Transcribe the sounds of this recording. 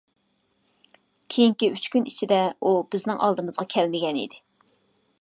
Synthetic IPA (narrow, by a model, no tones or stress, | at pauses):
kʲʰejiŋkʲiyt͡ʃkʲynit͡ʃʰid̪ɛub̥ɪznɪŋʔɑ̰lˠd̪ɨmɨzʁɑkʲʰɛlmɪɡʲɛnḭd̪ɪ